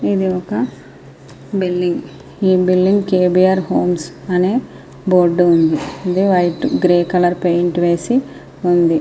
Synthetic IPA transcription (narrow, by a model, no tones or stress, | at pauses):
id̪iokɐ | bilːiŋɡ | iːbilːiŋɡkeːbijaɾɦoːmsɐne | boːɾɖund̪iid̪iʋɐjʈɡɾeːkɐlɐɾpejɳʈʋeːsi | und̪i